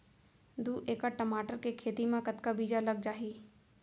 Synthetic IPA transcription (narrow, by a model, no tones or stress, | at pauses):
d̪uːʔeːkaʈɐmaːʈəɾkekʰeːt̪imẽkɐt̪kabiːd͡ʒalɐɡ̚d͡ʒaːɦiː